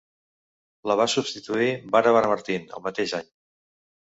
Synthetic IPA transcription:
ləβ̞asubst̪it̪uibaɾəβaɾəməɾt̪inə̰lˠmət̪eʒaɲ

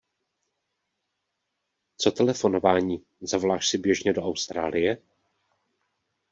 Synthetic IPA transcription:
t͡so̞t̪ɛlɛfo̞no̞vaːɲiː | zavolaːʃsɪbjɛʒɲɛdo̞ʔawst̪ɾaːlʔɪjɛ

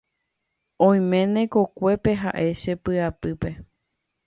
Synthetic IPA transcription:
õj̃mẽ̞nẽ̞ko̞kʷe̞pe̞ɦa̰ʔe̞ʃepɨapɨpe̞

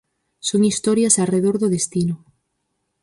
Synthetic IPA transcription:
soŋist̪ɔɾjɐsareðoɾðʊðest̪inʊ

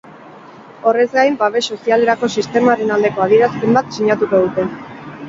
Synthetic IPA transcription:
o̞re̞zɡajmbaβe̞so̞siale̞ɾako̞sist̪e̞maɾe̞nald̪e̞ko̞að̞ie̞ɾaspe̞mbat̪siɲat̪uko̞ðut̪e̞

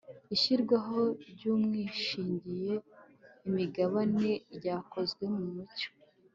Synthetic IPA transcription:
içiɾɡwaɦo̞ɾɟuːmŋiːʃiːɲɟije̞ | imiɡaβane̞ɾɟaːkʰo̞zɡwe̞mumuco̥

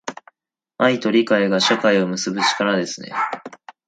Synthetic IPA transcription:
ait̪o̞ɾʲikaeɡaɕakaio̞mɯ̟sɨbɯ̟t͡ɕi̥kaɾad̪e̞sɨne̞̰

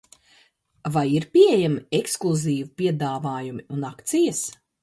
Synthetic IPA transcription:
vajiɾpʲiejamieksklˠuziːvupʲiɛd̪aːvaːjumiunakt̪sijɐs

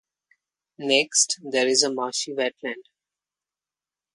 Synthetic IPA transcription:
neksʈd̪eːɾɪzəmaːʃiʋɛʈlæ̃ɳɖ

